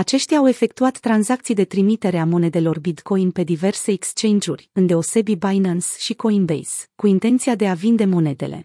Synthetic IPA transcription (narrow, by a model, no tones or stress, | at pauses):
at͡ʃe̞ʃt̪ʲaːwe̞fe̞kt̪uat̪ːɾanzak̚t̪sijd̪e̞t̪ɾimit̪e̞ɾeamo̞ne̞d̪e̞lo̞rbid̪ko̞jnpe̞d̪ive̞rse̞ːkst͡ʃe̞nd͡ʒurʲɨnd̪e̞o̞se̞bibajnansʃiko̞inbḛjskuint̪e̞nt̪siad̪e̞avind̪e̞mo̞ne̞d̪e̞̰le̞̰